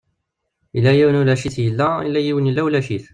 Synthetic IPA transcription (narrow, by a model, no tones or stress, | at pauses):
ilːæjiwnulæʃiθjəlːæḭlːæjiwənjəlːæwlæʃiθ